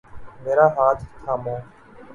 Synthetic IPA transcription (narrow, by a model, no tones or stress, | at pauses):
meːɾaːɦaːt̪ʰkʰaːmõː